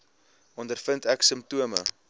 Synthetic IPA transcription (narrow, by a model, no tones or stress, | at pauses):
ʔɔndərfəntɛksəmptuəmə̰